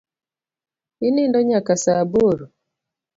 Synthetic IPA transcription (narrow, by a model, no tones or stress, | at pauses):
inɪndɔɲakasaboɾo